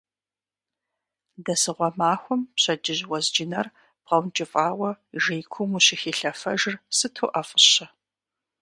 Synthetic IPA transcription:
dɐsɨʁʷɔmaːxʷɔmpɕɐd͡ʒɪʑwɐzd͡ʒɪnɐr | b̥ʁɐwnt͡ʃʼɪfʼaːwɐʒejkʷʰʊmuɕɪxiːɬɐfɐ̰ʒɪrsɨtʰoːʔɐfʼəɕɐ

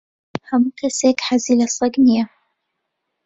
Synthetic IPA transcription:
hamukasekħazilasˤɑɡnɪja

